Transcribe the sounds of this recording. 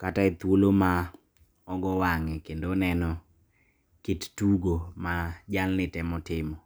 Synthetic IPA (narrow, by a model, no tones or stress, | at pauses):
kataet̪woloma | ɔɡɔwaŋɛkendonɛnɔ | kittuɡomad͡ʒalnɪtɛmɔtɪmɔ